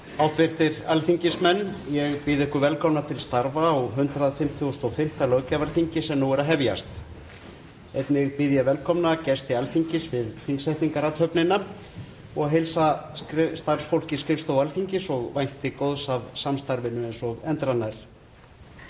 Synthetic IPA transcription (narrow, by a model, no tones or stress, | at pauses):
awt̪vɪr̥t̪ɪɾalθiɲcɪsmɛnːjɛɣpiðɪɪhkʏvɛlkʰɔwnat̪ʰɪlst̪aɾvaɔɣɦʏnt̪ɾaðfɪm̥t̪ʰuɔst̪ɔwfɪm̥t̪alœɣcavalθiɲcɪsɛmnuwɛɾaɦɛvja̰st̪ | ejt̪nɪɣpɪðjavɛlkʰɔmnacɛst̪ɪalθiɲcɪsvɪðθiŋsajt̪niŋkaɾat̪hœpnɪnːa | ɔɣɦejlsakɾst̪ar̥sfowlcɪskɾɪfst̪awalθiɲcɪsɔɣvajn̥t̪ɪkowðsavsamst̪aɾvɪnːʏɛnsɔɣɛnt̪ɾanːajɾ̥